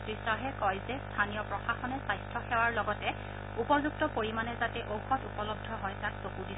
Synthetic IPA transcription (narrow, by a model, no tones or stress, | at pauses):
tɹisaɦɛkɔjzɛstʰanijɔpɹɔxaxɔnɛsajstʰɔxɛwaɹlɔɡɔtɛ | upɔzuk̚tɔpoɹimanɛzatɛʔowxɔtupɔlɔb̚dʱɔɦɔjtak̚pokudi